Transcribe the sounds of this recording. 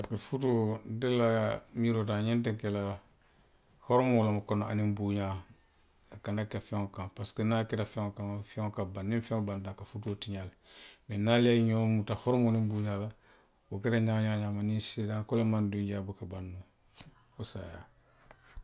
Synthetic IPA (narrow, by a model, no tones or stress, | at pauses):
kefutodelamiɾotaɲẽntẽkela | hɔɾmoːlamakonoanimbuːɲã | akanakefeŋkãnpaskenaketafeŋkãŋfeŋkabanːĩfẽŋbantãkafutuotiɲal | menaliaɲomutahoɾmonĩmbuɲala | woketaɲaɲaɲamanĩsedãŋkolemandũɟaːbukabanːu | osa̰ːja̰